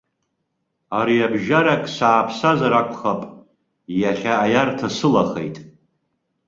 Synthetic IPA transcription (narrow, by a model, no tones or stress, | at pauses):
aɾiabʒaɾakʼsaːpʰsazaɾakʷʰʼχapʼ | jaχʲaːjartʰasɨlaχḛjtʼ